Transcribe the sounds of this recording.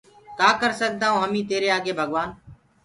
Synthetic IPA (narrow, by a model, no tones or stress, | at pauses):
kaːkəɾsək̚d̪aːɦõːɦəmĩːt̪eːɾeːaːɡeːbʱəɠʋaːn